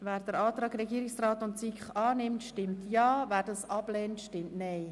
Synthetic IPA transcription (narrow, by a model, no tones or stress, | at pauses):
væːɾd̥əɾɑːt̪ɾɑːɡɾɛɡiːɾɪksraːtʊntsikχɑːnɪmtʃtɪmtjɑːvæːɾdɑsɑb̥lɛːntʃtɪmtnɛɪ